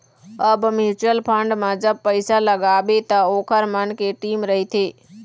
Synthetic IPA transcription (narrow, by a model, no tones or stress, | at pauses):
əbmit͡ʃɾəlpʰəɳɖmãd͡ʒəb̚pəjsaləɡaʋet̪aokʰəɾmənkeʈimɾəɦit̪ʰe